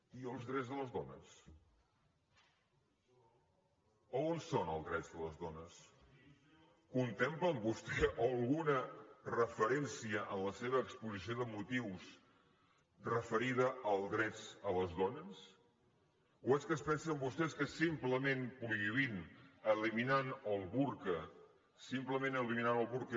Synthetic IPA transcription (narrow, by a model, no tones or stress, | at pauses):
iəlˠzðɾɛd͡zðələzðɔnə̰s | oonsonə̰lˠzðɾɛd͡zðələzðɔnəs | kunt̪empləmbust̪ɛʔolˠɣunərəfəɾɛnsiəʔənləseβəːkspuzisioðəmut̪iws | rəfəɾiðəʔəlˠdɾɛt͡sələzðɔnəs | uɛskəspɛnsəmbust̪ɛskəsimpləmẽnpɾuiβinəliminanəlˠβuɾkə | simpləmenəliminanəlˠβuɾk